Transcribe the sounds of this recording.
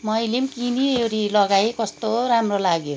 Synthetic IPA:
mʌjlemkinieɾilʌɡaekʌst̪oɾamrolaɡjo

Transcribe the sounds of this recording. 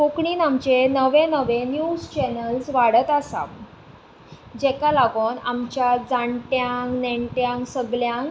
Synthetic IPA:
kokɳiːnamt͡ɕenəʋẽnəʋẽnjuːd͡zt͡ɕɛnəlsʋaɽət̪asã̰m | d͡ʑɛkalaɡoːnamt͡ɕjad͡zaɳʈjãŋkneɳʈjãŋksəɡljãŋk

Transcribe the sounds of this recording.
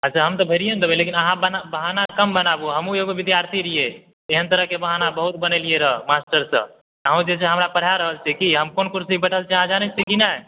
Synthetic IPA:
ət͡ʃʰaɦəmt̪ɔbʱeɾijənd̪əbelekinəɦãbənabəɦanakəmbənabuɦəmũjeɡoʋid̪jaɾt̪ʰiɾije | eɦənt̪əɾəɦkebəɦanabəɦut̪̚bənelieɾəɦmasʈəɾsə̰̃ | aɦũd͡ʒeseɦəmɾapəɽ̤jaɾəɦəlt͡ʃʰɛkiɦəmkonkuɾsibəʈʰəlt͡ʃʰɛɦãd͡ʒanesikina

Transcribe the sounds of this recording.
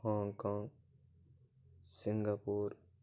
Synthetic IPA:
hɔːŋkaːŋɡ | sɪŋɡaːpuːɾ

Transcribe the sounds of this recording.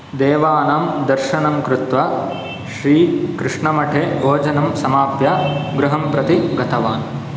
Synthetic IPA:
d̪eːʋaːnɐmd̪ɐɾʃɐɳɐmkɾut̪ʋɐ | ʃɾiːkɾɪʂɳɐmɐʈʰeːbʱoːd͡ʒɐnɐmsɐmaːpjɐɡɾuɦɐmpɾɐt̪iɡɐt̪ɐʋaːn

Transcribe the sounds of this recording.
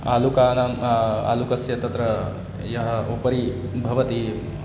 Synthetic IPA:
a̰lukaːnama̰ːlukɐsjɐt̪ɐt̪ɾɐ | jɐɦɐ̆opɐɾi | bʱɐʋɐt̪i

